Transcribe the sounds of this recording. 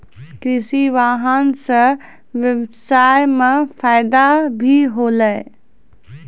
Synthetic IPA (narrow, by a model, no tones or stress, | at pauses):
kɾisiʋaɦənsə̃ | ʋjəbsajmepʰaɪd̪abʱiɦoləj